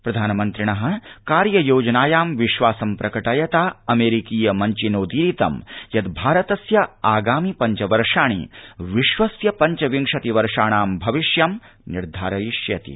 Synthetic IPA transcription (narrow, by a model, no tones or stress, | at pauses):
pɾɐd̪ʱaːnɐmɐnt̪ɾiɳɐɦɐ̆kaːɾjɐjoːd͡ʒɐnaːjaːmʋiʃʋaːsɐmpɾɐkɐʈɐjɐt̪aːɐmeːɾikiːjɐmɐɲt͡ʃinoːd̪iːɾit̪ɐmjɐd̪bʱaːɾɐt̪ɐsjɐaːɡaːmipɐɲt͡ʃɐʋɐɾʂaːɳ̃ḭʋiʃʋɐsjɐpɐɲt͡ʃɐʋiŋkʂɐt̪iʋɐɾʂaːɳaːmbʱɐʋiʃjɐm | niɾd̪ʱaːɾɐjiʃjɐt̪ḭ